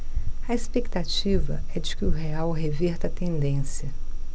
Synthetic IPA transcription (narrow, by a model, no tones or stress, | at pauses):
ɐespek̚t̪at͡ʃivɐ̰ɛd͡ʒɪkɪʊɦeawɦeviɾt̪ɐt̪ẽnd̪ẽsjɐ